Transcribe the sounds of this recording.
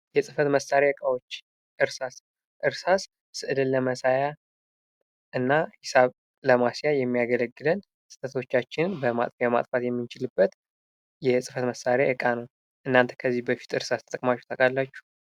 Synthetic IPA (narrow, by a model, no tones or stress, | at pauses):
jɛsʼɨfət̪məsaɾeɨkʼawot͡ʃː | ʔɨɾsas | ʔɨɾsas | sɨʔɨlɨlːəməsaja | ʔɨnːahɪsaβ | ləmasijajɛmːijaɡələɡːɨlən | sʼɨ̥t̪ʰʼət̪ʰo̞t͡ʃːat͡ʃːɪnnbəma̰t̪ʼjɛma̰t̪ʼfat̪jɛmːɨnt͡ʃɪlɨbːət̪ | jɛsʼɨfət̪məsːaɾeʔɨkʼanəw | ʔɨnːant̪ʰə̥kʰəzːibəfi̥t̪ɨɾsast̪ʰət̪ʼəkʼmat͡ʃːu̥t̪ʰəkʼalːat͡ʃːu̥